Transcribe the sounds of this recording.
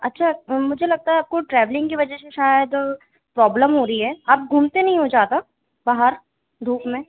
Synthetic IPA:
ɐ̰tːʃʰamʊd͡ʒʱelɐɡ̚t̪aɦɛaːp̚koʈɾɛːʋlɪ̃ŋɡkiʋɐd͡ʒɛseʃaːjəd̪ | pɾɔːbləmɦoːɾɐiɦɛːaːp̚ɡʱuːmt̪enɐɦĩɦod͡ʒaːt̪a | baːɦəɾ | d̪ʱuːpmẽː

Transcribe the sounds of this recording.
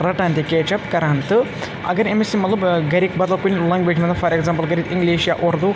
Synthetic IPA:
ɾɐʈaːnt̪ʲikeːt͡ʃɐpkɐɾaːnt̪ɨ | ɐ̰ɡɐɾemisimɐt̪lˠɐbɡɐɾik̚bɐd̪ɐlˠkunʲlɐŋɡʋeːd͡ʒmɐt̪ɐfɐɾeɡzãːmplˠɡɐɾʲiːd̪iŋɡliːʃja̰ʔoɾd̪u

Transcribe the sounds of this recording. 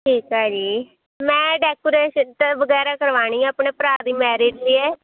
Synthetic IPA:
ʈʰiːkɦaːd͡ʒiː | mɛ̃ːɖɛːkoːɾeːʃənt̪aʋəɡɛːɾaːkəɾʋaːɳ̃ĩːəpɳeːpɾaːd̪iːmɛːɾeːd͡ʒliːɛː

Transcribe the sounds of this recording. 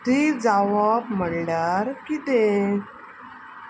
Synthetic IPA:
t̪id͡zaʋabm̤əɽlaɾkit̪e

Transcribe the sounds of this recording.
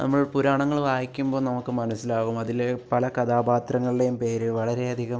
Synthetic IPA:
nɐ̰mːɐɭpuɾaːɳɐŋːɐɭʋaːjikʲːumbo̞ːnɐmukːɨmɐnɐsːilaːɣumɐðilepɐlɐkɐd̪aːbaːt̪ɾɐŋːɐɭiɖe̞jumpe̞ːɾɨʋɐɭɐɾe̞ɐd̪ʱiɣɐm

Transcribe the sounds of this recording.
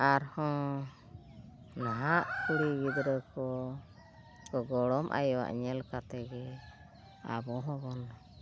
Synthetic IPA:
aɾhɔ̃ | naɦaʔkuɽiwid̪ɾəkɔ | kɔɡɔɽɔmʔa̰jɔwa̰ʔɲɛlkat̪ɛɡɛ | a̰bɔɦɔbɔna

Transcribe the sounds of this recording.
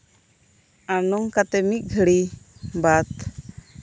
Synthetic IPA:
anuŋkat̪ɛmit̪̚ɡʱəɽibat̪

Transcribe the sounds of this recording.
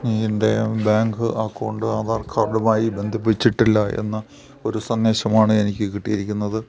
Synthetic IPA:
niend̪ebaːŋɡɨʔaːkːoːɳɖɨaːðaːrkʰaːrɖumaːjibe̞nd̪ʱɐpːit͡ɕːiʈːilːɐe̞̰nːɐ | o̞ɾusɐnːeːɕɐmaːɳɨe̞nikʲːɨkiʈːijɐɾikʲːunːɐðɨ

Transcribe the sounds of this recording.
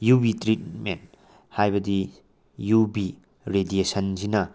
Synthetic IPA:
jubitɾit̚ment | hajbɐdi | jubi | ɾediesɐnzinɐ

